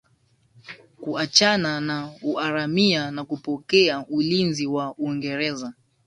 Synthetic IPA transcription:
kuat͡ʃananauaɾamianakupɔkɛaulinziwauiŋɡɛɾɛza

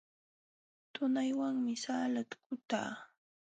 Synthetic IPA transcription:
t̪ʊnajwaŋmɪsaːlat̪kʊt̪a̰ː

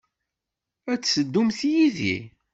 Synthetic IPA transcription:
æt͡sːsəd̪ːumθjiðḭ

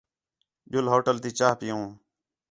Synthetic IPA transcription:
ʄʊlɦoːʈəlt̪iːt͡ʃaːɦpɪjõː

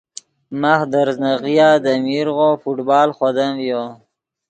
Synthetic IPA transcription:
maxd̪aɾznaɣijad̪amiɾɣofuʈbɑːlxod̪amvjo

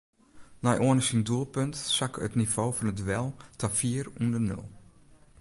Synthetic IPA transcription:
najʔoənəsinduəlˠpøntsakətniv̥oːfɔnətʋɛlˠtʰafiərundənɵ̰lˠ

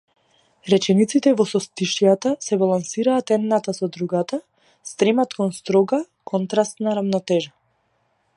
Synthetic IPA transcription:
ɾɛt͡ʃɛnit̪sit̪ɛvɔsɔst̪iʃjat̪asɛbalˠansiɾaːt̪ɛd̪nat̪asɔd̪ɾuɡat̪a | st̪ɾɛmat̪kɔnst̪ɾɔɡa | kʰɔnt̪ɾast̪naɾavnɔt̪ɛʒa

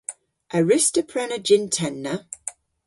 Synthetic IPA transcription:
ʔəɹɪstəpʰɹɛnəd͡ʒɪ̃ntʰɛnːə

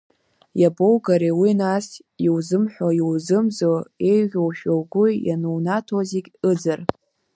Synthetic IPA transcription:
jabowɡaɾewinas | iwzɨmħᶣʷajiwzɨmzoe̞jʁʲowʃᶣawɡʷʊjanuwnatʰozikʲɨd͡zɨr

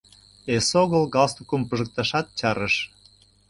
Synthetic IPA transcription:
esoɣəlɣɑlst̪ukumpəʒə̆k̚t̪ɑʃɑt̪̚t͡ɕɑɾəʃ

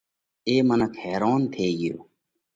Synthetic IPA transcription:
eːmɐnɐkheːɾaːnt̪ʰeːɡijo̰ː

